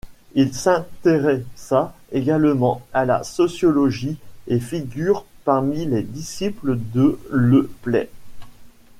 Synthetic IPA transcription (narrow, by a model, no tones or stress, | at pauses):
ilsɛ̃t̪eʁɛsaeɡalmɑ̃ala̰sɔsjɔlɔʒiefiɡʲyːʁpaʁmiled̪isipləd̪ələplɛ̰